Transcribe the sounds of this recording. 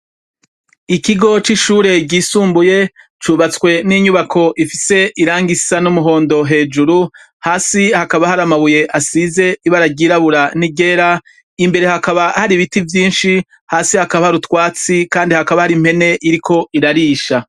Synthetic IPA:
ikiɡo̞t͡ʃiʃuːɾe̞ɟiːsuːmbuje̞ | t͡ʃuβat͡skwe̞niɲuβakʰo̞ʔifise̞ʔiɾaːŋɡisanumuɦo̞ːndo̞ɦe̞ːd͡ʒuɾu | haːsihakaβahaɾamaβuje̞ʔasize̞iβaɾaɟiɾaβuɾaniɡe̞ɾa | imbe̞ɾe̞hakaβahaɾiβitivjiːnʃi | haːsihakaβahaɾutwaːt͡sikaːndihakaβahaɾim̥he̞ne̞ʔiɾikʰo̞iɾaɾiːʃa

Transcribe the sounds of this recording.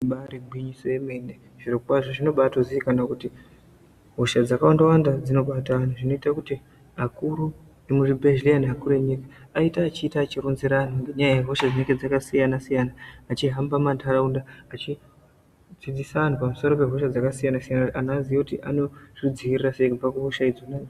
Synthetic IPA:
ɓaɾibʱwiɲisojemene | ʐ̥irokkwaʐoʐino̞ɓatoziikanakuti | ɦo̞ʃad͡zakawandawandad͡zino̞ɓataan̤uʐino̞itakuti | ɦakuɾu | emuʐibʱeʒleaniɦakuɾueɲikaaitaːt͡ʃiːtaːt͡ʃirunziɾan̤uŋɡeɲajajeɦo̞ʃad͡zineŋɡed͡zakasijanasijanaːt͡ʃiɦambamandʰʱaraundaat͡ʃi | d͡zid͡zisaʋan̤upamuso̞ɾo̞pe̞ɦoʃad͡zakasijanasijanaanazijakutiʔano̞ʐid͡ziiriraseikub͡vakuɦoʃaid͡zonani

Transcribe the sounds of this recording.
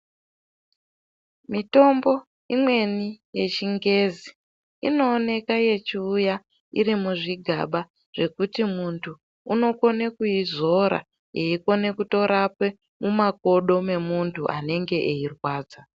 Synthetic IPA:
mito̞mbo̞ | imwe̞nije̞t͡ʃiŋɡe̞zi | ḭno̞ːne̞kaje̞t͡ʃiːja | iɾimuʐiɡʱa̰ɓa | ʐ̥e̞kutimuntʰuː | no̞ko̞ne̞kujizo̞ɾa̰ | jeiko̞ne̞kuto̞ɾape | mumako̞ɗo̞me̞muntʰuʔa̰ne̞ŋɡe̞ʔeirwaːd͡za

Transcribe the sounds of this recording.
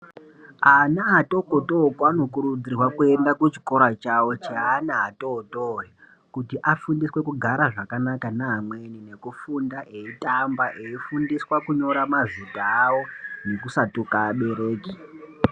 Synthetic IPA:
anaato̞kotokwano̞kuɾud͡zirwakue̞ndakut͡ʃi̥ko̞ɾat͡ʃawo̞t͡ʃeanaɦatotoɦe | kutiʔafundiswe̞kuɡʱaɾaʐakanakanaɦːmwe̞nine̞kufundaʔeitambaʔe̞ifundiswakuɲo̞ɾamazitaːwo̞ne̞kusatukaːɓe̞ɾeːki̥

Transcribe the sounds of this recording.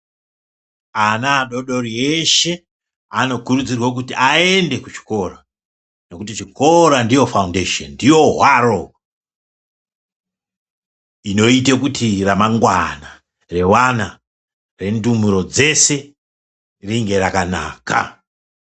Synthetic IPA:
anaɗo̞ɗo̞reʃe̞ | ano̞kurud͡zirwak̬utiae̞nde̞kut͡ʃi̥ko̞ra | no̞kutit͡ʃiko̞ɾandijo̞faundeʃo̰nndijo̞ɦwaro | ino̞itekutiramaŋɡwana | re̞wana | re̞ndumuɾo̞d͡ze̞se̞ | riŋɡe̞rakana̰ːka̰

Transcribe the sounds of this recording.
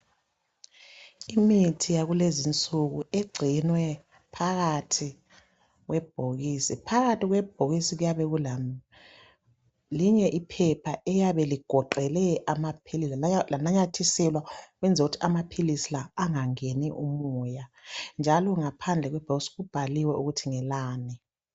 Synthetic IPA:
imitʰijaɣulezint͡sʼuɣueɡ͡ǀʱinwɛ | pʰaɣatʰi | ɣwɛb̥ʱoɣisipʰaɣatʰʼiɣwɛb̥ʱoɣisiɣujaβɛɣula | liɲɛʔipʰɛpʰaʔɛjaβɛliɡ̥ʱɔǃɛlɛʔamapʰililanaɲatʰisilwaɣwɛnd͡zʱoɣutʰiamapʰilisilaːŋaŋeniʔumujand͡ʒʱalɔŋapʰand͡ɮʱɛɣwɛb̥ʱoɣisiɣub̥ʱaliwɛuɣutʰiŋɛlaːni

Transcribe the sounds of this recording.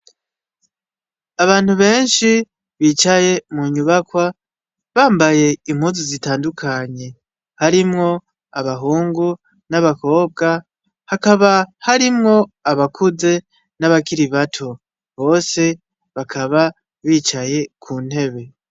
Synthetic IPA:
aβaːn̥huβe̞ːnʃi | βiːt͡ʃaje̞muɲuβakwa | βaːmbaje̞im̥huːnzizitaːndukʰaɲe̞ | haɾimŋo̞ | aβaɦuːŋɡu | naβako̞ːb̚ɡa | hakaβahaɾimŋo̞aβakʰuze̞ | naβakiɾiβatʰo | βo̞ːse̞ | βakʰaβa | βiːt͡ʃaje̞kʰuːn̥he̞βe̞

